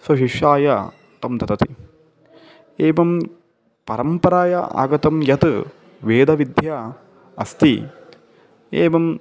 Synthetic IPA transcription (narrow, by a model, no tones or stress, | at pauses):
sɐʃiʃjaːjɐ | t̪ɐmt̪ɐt̪ɐt̪i | eːʋɐm | pɐɾɐmpɐɾaːjɐʔa̰ːɡɐt̪ɐmjɐt̪ | ʋeːd̪ɐʋid̪ʱjaː | ɐst̪ḭ | eːʋɐm